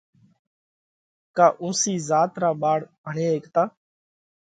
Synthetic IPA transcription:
kaːʔũːsiːzaːt̪ɾaːɓaːɽbʱəɳẽːɦeːkt̪aː

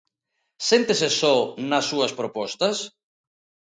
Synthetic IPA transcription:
sent̪esesɔnɐsːuɐspɾopɔst̪ɐs

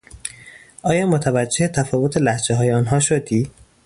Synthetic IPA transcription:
ʔɒːjɒːmot̪ʰævæd͡ʒːehet̪ʰæfɒːvot̪ʰelæhd͡ʒeɦɒːjeɒnɦɒːʃod̪iː

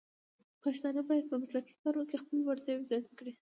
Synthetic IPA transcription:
pɑʃt̪ɑnabɑjad̪̚pəmaslaki̥kɑɾookexpəlowaɾt̪jɑwezɑjt̪əkɽi

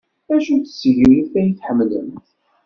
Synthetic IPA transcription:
æʃuθə̥sːəʝɾiiθæjəθħəmːlə̰mt̪

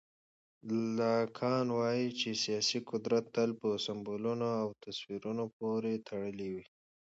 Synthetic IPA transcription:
lɑkʰɑnwɑjit͡ʃesijɑsiqʊd̪ɾat̪ːalpəsambolunoawt̪aswiɾunop̚oɾet̪ʰaɽəliwi

